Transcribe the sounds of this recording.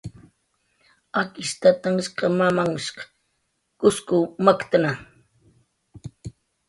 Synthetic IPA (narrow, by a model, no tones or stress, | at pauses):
akɪʃt̪at̪aŋʃqɑmamaŋʃq | kʊskʊmakt̪ana